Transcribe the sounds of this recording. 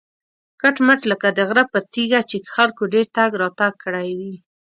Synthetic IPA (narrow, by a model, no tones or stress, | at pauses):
kaʈməʈləkad̪əɣɾəpəɾt̪iɡat͡ʃekxalkoɖeɾt̪aɡɾɑt̪aɡ̚kəɽajwi